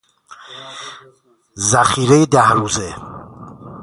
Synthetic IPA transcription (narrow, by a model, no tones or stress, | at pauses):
zaχiɾɛjd̪ahɾuzɛ